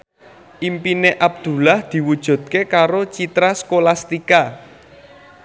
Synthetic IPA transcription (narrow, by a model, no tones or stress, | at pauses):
ʔimpineʔab̚d̪̥ṳlahd̪̥i̤wud̥ʒ̥ṳd̪̥̚kekaɾot͡ʃit̪ɾaskolast̪ika